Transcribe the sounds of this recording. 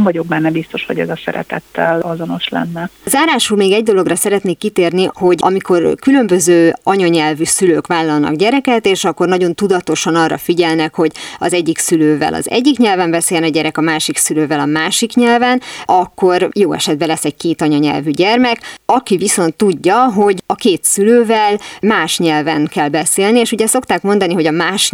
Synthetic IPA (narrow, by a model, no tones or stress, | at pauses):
mvɒɟo̞ɡ̚bɛnːɛbist̪o̞ʃho̞ɟɛzɒsɛ̰ɾɛ̰t̪ɛ̰t̪ːɛlɒzo̞no̞ʃlɛ̰nːɛzaːɾaːʃulmeːɡɛɟd̪o̞lo̞ɡrɒsɛɾɛt̪neːkːit̪eːrniho̞ɟʔɒ̰miko̞rkylø̞mbøzøːɒɲɒɲɛlvysyløːkʋaːlːɒlnɒ̰ɡɟɛɾɛkɛt̪eːʃɒkːo̞rnɒɟo̞nt̪ud̪ɒt̪o̞ʃɒnɒrːɒ̰fiɟɛlnɛkho̞ɟɒ̰zɛɟːiksyløːvɛ̰lɒ̰zɛ̰ɟːikɲɛlvɛmbɛseːjɛnɛɟɛɾɛkɒmaːʃiksyløːvɛlɒmaːʃikɲɛlvɛnʔɒkːo̞rjoːɛ̰ʃɛd̪̚bɛlɛsːɛɟ̚keːt̪ɒɲɒɲɛ̰lvyɟɛrmɛkɒkiviso̞nt̪ːuɟːɒɦo̞ɟɒkeːt̪syløːvɛlmaːʃɲɛlvɛnkɛlbɛseːlnieːʃuɟɛso̞kt̪aːkmo̞nd̪ɒniɦo̞ɟɒmaːʃ